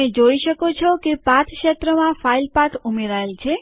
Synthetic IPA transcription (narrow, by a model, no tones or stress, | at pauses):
ed͡ʒoiʃəkot͡ʃʰɔkepãt̪ʰʃət̪ɾəmãfailpat̪ʰumeɾaelt͡ʃʰe